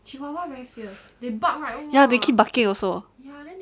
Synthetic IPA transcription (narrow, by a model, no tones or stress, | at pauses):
t͡ʃiwawavɛɹifis | debak̚ɹaɪjadekʰip̚bakɪ̃ŋɔsoja